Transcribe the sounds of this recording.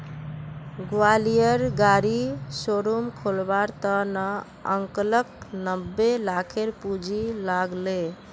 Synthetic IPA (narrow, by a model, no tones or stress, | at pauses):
ɡualijəɾɡaɾisoɾumkʰolbaɾt̪əna | ə̰ŋklək̚nəbːelakʰeɾpud͡ʒʱilaɡle